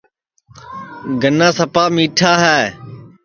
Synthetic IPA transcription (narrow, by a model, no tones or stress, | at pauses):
ɡənːãːsəpaːmiːʈʰaːɦɛː